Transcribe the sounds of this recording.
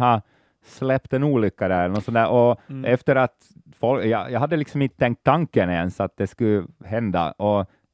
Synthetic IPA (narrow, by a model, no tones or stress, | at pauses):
ɑ | slɛpt̪ɛnuːlʏkːad̪æɾɛlːəɳnɔt̪sɔnd̪æːɾʔɔɛft̪əɾat̪ | fɔljɑjɑɦad̪ːəlɪksɔmɪnt̪ət̪ʰɛŋk̚t̪ʰːaŋkːənɪɛnsat̪̚d̪ɛskʉɦɛnd̪a̰ʔɔ